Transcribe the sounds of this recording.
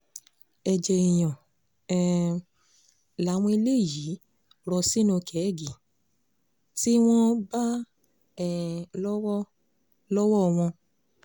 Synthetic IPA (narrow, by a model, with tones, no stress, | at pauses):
ɛ˨d͡ʒɛ˨i˨j̃ɔ̃˨ | la˨˦w̃ɔ̃˧i˧le˦˨ji˨˦ | ɾɔ˧si˦nũ˧kʰɛ˨˦˨ɡi˨ | ti˦w̃ɔ̃˦ba˦ | ɛ˦˨lɔ˦w | lɔ˦wɔ˦˨w̃ɔ̃˧